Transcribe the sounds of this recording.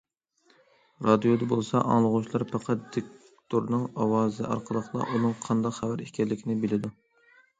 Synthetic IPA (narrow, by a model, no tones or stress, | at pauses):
ɾɑd̪ijod̪ɨbolˠsɑ̰ʔɑ̰ŋlˠəʁʊʃlˠɑɾpʰɑqʰɑt̪̚d̪ek̚ | t̪ʰoɾnɨŋɑwɑːzɨɑ̰ɾqʰəlˠəχlˠɑ̰ʔunɨŋqʰɑnd̪ɑqχævæɾikʲʰɛlːɪkʲʰinɪbɪlɪd̪u